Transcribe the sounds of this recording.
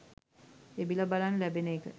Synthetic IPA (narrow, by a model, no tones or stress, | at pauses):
ebilɐbalanlæbeneːkə